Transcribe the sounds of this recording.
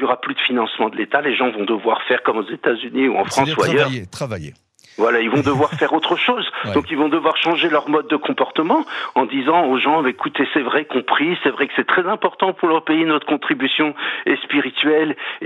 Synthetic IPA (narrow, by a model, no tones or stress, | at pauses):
ljɔʁaplyd̥̪əfinɑ̃smɑ̃d̪əlet̪aleʒɑ̃vɔ̃d̪əvwaʁfɛʁkɔmozet̪azyniṵɑ̰̃fχɑ̃suajœʁavje | vwalailvɔ̃d̪əvwaʁfɛʁot̪χəʃoːzd̪ɔ̃kilvɔ̃d̪əvwaʁʃɑ̃ʒelœʁmɔd̪̚ːəkʰɔ̃pɔʁt̪əmɑ̃ɑ̃d̪izɑ̃oʒɑ̃mɛekut̪esɛvʁɛkɔ̃pχisɛvʁɛkə̥sɛt̪χɛzɛ̃pɔʁt̪ɑ̃puʁlœʁpeinɔt̪χəkɔ̃t̪χibysjɔ̃ɛspiʁit̪ɥɛl